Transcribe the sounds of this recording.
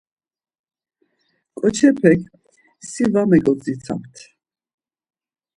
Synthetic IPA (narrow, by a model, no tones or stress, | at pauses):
kʼɔt͡ʃʰɛpʰɛkʰ | sivamɛɡɔt͡sʼit͡sʰa̰mt̪ʰ